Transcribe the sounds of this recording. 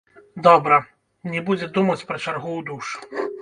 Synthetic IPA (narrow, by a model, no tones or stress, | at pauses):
d̪ɔbɾɐ | nʲɛbud͡zʲɛd̪umɐt͡sʲpɾɐt͡ʂarɣuwd̪uʂu̥